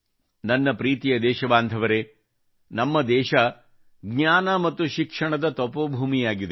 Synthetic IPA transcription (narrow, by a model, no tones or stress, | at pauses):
nɐnːɐpɾiːt̪ijɐd̪ɛːʃɐbaːnd̪ʱɐʋɐɾe | nɐmːɐd̪ɛːʃɐ | ɡɲaːnɐmɐt̪ːuʃikʂɐɳɐd̪ɐt̪ɔpobʱuːmijaːɡid̪e